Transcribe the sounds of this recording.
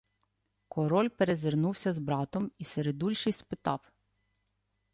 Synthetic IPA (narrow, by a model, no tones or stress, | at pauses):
kʰɔɾɔlʲpeɾezernuwsʲɐzbɾɑt̪ɔmiseɾed̪ulʲʃɪjspɪt̪ɑw